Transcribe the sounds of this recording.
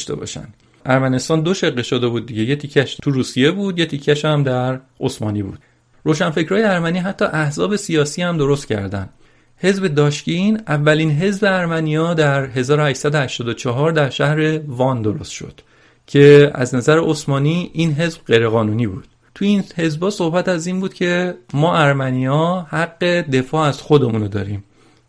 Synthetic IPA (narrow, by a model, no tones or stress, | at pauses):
ʃt̪ebɒ̰ːʃæ̰nd̪ | ʔæɾmæne̞st̪ɒːnd̪o̞ʃeɣːeʃod̪e̞buːd̪̚ːiɟe̞jet̪ʰicʰæʃt̪ʰuɾuːsije̞buːd̪je̞t̪ʰicʰːæʃæmd̪æɾʔosmɒ̰ːniːbṵːd̪̥ | ɾoːʃænfe̞cʰɾɒːjeæɾmæniːɦæt̪ʰːɒːʔæhzɒːbe̞sijɒːsiːhæmd̪o̞ɾost̪cʰæ̰ɾd̪æ̰nd̪̥ | he̞zbe̞d̪ɒːʃcinævːæliːnɦe̞zbe̞æɾmænijɒːd̪æɾɦe̞zɒːɾohæʃsæd̪ohæʃt̪ɒːd̪ot͡ʃʰɒɦɒːɾd̪æɾʃæhɾe̞vɒnd̪o̞ɾo̰st̪ʃo̞̰d̪̥ | cʰe̞æ̰znæzæɾeosmɒːniːiːnɦe̞zbɢe̞jɾeɣɒːnuːniːbuːd̪̥̚ | t̪ʰuiːnhe̞zbɒːso̞hbæt̪æziːnbuːd̪̥cʰe̞mɒːʔæɾmænijɒːhæɡːe̞d̪e̞fɒːæz̥xo̞d̪e̞munod̪ɒ̰ːɾiːm